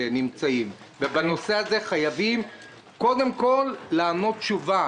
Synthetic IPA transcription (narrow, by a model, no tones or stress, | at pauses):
nimt͡saim | vebano̞se̞haze̞χajavim | ko̞d̪e̞mko̞lːaːno̞t̪̚t͡ʃuva